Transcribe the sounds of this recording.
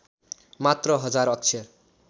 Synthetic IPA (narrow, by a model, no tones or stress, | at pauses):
mat̪rʌɦʌd͡zaɾʌk̚t͡sʰʌ